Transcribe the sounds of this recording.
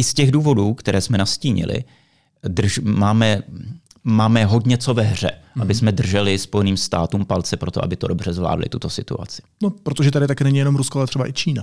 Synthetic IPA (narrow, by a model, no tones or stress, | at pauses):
ʔɪscɛɣduːvo̞duːkt̪ɛɾʔɛːsmɛnasciːɲɪ̰lɪ̰ | dr̩ʒmaːmɛ | maːmɛɦo̞dɲɛt͡so̞vɛɦr̝ɛ̰ʔabɪsmɛdr̩ʒɛlɪspo̞jɛniːmst̪aːt̪uːmpalt͡sɛpɾo̞t̪o̞ʔa̰bɪt̪o̞do̞br̝ɛzvla̰ːdlɪ̰t̪ut̪o̞sɪt̪ṵa̰t͡sɪ̥nopɾot̪oʒɛt̪adɪt̪akɛːnɛɲɪjɛnomɾuskoalɛt̪r̥ɛbaʔɪt͡ʃiːna